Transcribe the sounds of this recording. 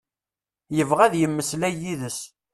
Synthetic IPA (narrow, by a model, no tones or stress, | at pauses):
jəvʁæðjəmːəslæjiðəs